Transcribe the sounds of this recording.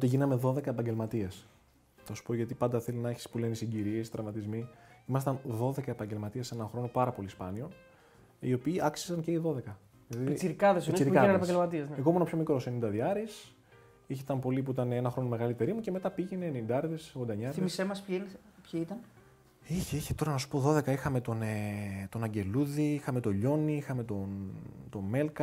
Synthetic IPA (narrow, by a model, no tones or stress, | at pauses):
ot̪iʝinɐme̞ðo̞ðe̞kɐepɐɲɟelmɐt̪ies | θɐsu̥po̞ʝɐt̪ipɐnd̪ɐθe̞linɐeçi̥spulenisiɟiɾiest̪ɾɐvmɐt̪izmiimɐst̪ɐnðo̞ðe̞kɐe̞pɐɲɟe̞lmɐt̪iesenɐxɾo̞nopɐɾɐpo̞lispɐnio̞n | io̞piːɐksi̥sɐnce̞iðo̞ðe̞kɐ | ɐt̪iiɾkɐðesiɾikɐɐnɐpɐɟelmɐt̪iezneɣomuenɐpço̞mikɾo̞se̞nind̪ɐðiɐɾis | içet̪ɐnpo̞lip̬uit̪ɐneenɐxɾo̞no̞me̞ɣɐlit̪e̞ɾimuce̞me̞t̪ɐpiʝeneenind̪ɐɾðesɣond̪ɐɲɐɾmisemɐspnpçiit̪ɐn | içeiçe̥t̪o̞ɾɐnɐsu̥po̞ðo̞ðe̞kɐixɐme̞t̪o̞net̪o̞nɐɲɟe̞luðiixɐme̞t̪o̞ʎo̞niixɐme̞t̪ont̪o̞me̞lkɐ